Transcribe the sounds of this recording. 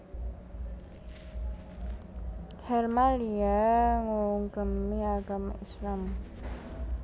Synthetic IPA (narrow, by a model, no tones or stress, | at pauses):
hɛrmaliaŋuŋɡəmiaɡama̰ʔislam